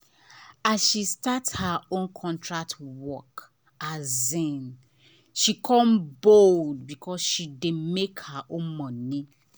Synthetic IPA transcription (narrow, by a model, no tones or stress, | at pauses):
azʃistathaõnkʰɔ̃ntʰɹak̚twɔk | azɛ̃n | ʃikʰɔ̃mbold̚bikʰɔsʃidemekhəʔõnmɔ̃ni